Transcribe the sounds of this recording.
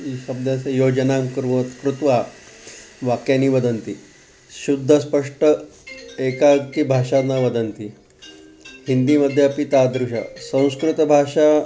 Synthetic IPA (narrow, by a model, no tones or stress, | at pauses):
iɕəb̚d̪jasejod͡ʑənamkɾt̪kɾut̪ʋa | ʋakjanːiːʋəd̪ənt̪i | ɕud̪ʱːəspəʂʈəekaɡt̪iːbʱaʂanaʋəd̪ənt̪i | hind̪iːməd̪ʱːjapit̪ad̪ɾuɕa̰sə̃w̃skɾut̪bʱaʂa